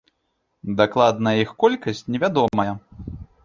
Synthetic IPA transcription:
d̪aklˠad̪nɐixkɔlʲkɐsʲt͡sʲnʲɛvʲad̪ɔmɐjɛ

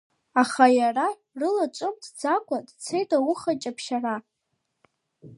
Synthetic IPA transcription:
aχajara | rɨlat͡ʃʷʼɨmdʰd͡zakʷʰʼadt͡sʰejtʼawʊχat͡ʃʼapʰʃara

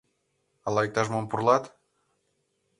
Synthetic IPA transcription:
ɑlˠɑjek̚t̪ɑʒmompurlˠɑt̪

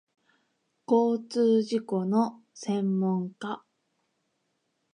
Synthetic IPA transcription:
ko̞ːt͡sɨːʑiko̞no̞ | sẽ̞mːõ̞ŋka

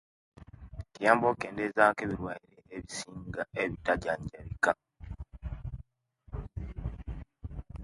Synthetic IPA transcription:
kjaːmboːkeːndeːzaːkeβiɾwaːjiɾeeβisiːŋɡaeβitaɟaːɲɟaɾika

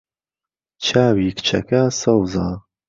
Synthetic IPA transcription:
t͡ʃʰaːwikt͡ʃʰɐ̰kʰasɐwzaː

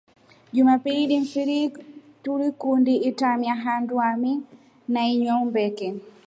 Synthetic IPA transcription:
d͡ʒumapiiɗinfiɾituɾikundiːtamiaɦanduami | najɲɔmbɛkɛ

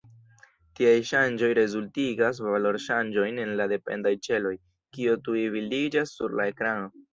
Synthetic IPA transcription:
tiajʃand͡ʒo̞jɾe̞zultiɡas̬valo̞ɾʃand͡ʒo̞jne̞nlade̞pe̞̰ndajt͡ʃe̞lo̞j | kiotuivilid͡ʒasːuɾlae̞kɾano̞

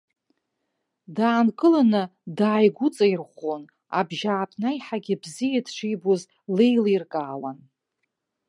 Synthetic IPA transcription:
daːnkʼɨlanɨdaːjɡʷut͡sʼairχʷon | a̰bʒaːpʰnajħaɡʲɪbzijadʈ͡ʂʰijboz | lejlirkʼaːwan

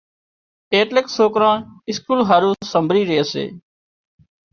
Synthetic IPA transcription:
eːʈleksoːkɾãːnɪskuːlɦaːɾũːsəmbʱɾiːɾeːəsḛː

